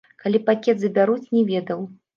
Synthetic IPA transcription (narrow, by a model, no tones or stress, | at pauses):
kalʲipakʲɛt̪zɐbʲaɾut͡sʲnʲɛvʲɛd̪ɐw